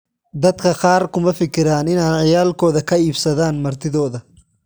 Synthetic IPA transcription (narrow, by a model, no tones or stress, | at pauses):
d̪ɐd̪kʰɐqɑːrkʰʊmɐfɪkʰɪɾaːnɪnaːnʕɪjaːlkʰɔːðɐkʰɐiːbsɐðaːnmɐrt̪ʰɪðɔːðɐ